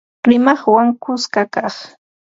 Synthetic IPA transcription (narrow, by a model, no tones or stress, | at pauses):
ɾɪmɑχwaŋkʊskakɑχ